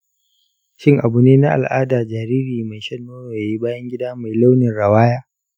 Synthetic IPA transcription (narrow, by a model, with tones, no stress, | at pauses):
ʃɪ˦˨ŋʔa˨bu˨neː˦na˦ʔa̰˨lʔa̰ː˦daː˨d͡ʒaː˨ɾiː˦ɾiː˨ma˨jʃɐ˦nːoː˦ɽoː˨ja˨ji˦baː˦jɐ˦ŋɡʲɪ˦daː˦ma˨jla˦wnɪ˨nɽɐ˨waː˦jaː˦